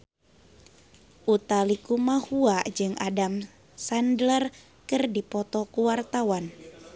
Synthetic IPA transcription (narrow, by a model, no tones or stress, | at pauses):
ʔut̪alikumahuad͡ʒɨŋʔadam | sandlər | kɨrdipɔt̪ɔkuwart̪awan